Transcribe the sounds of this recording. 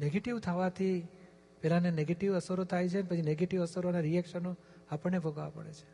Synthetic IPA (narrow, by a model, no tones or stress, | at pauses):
neɡeʈiʋt̪ʰəʋat̪ʰi | pɛlaneneɡeʈiʋəsəɾot̪ʰajt͡ʃʰenepət͡ʃʰineɡeʈiʋəsəɾonaɾiɛkʃəno | apəɽnːebʱoɡʋapə̰ɽḛt͡ʃʰe̥